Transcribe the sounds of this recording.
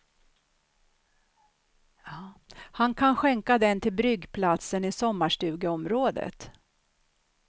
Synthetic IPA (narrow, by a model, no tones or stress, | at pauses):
hankʰanɧɛŋkad̪ɛnt̪ʰɪlbɾʏɡːpʰlat̪sənɪsɔmːaʂʈʉ̟ːɡəɔmɾoːd̪ə̰t̪